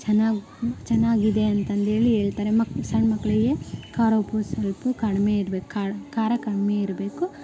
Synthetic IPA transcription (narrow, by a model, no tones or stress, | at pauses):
t͡ʃɐnːaː | t͡ʃɛnːaːɡid̪e̞ɐnt̪ɐnd̪e̞ːɭiɦeːɭt̪aːɾemɐksɐɳmɐkːɐɭɐɡekaːɾoːpusɐlpukɐɽmeiɾbeku̥akaːɾɐkɐɽmeiɾbe̞ːku